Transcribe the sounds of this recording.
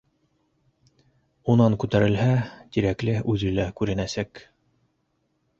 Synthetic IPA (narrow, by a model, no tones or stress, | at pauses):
unɑŋkʉt̪æɾɘ̆lɦæt̪iɾæklɘʉðɘ̆lækʉɾɘ̆næsæk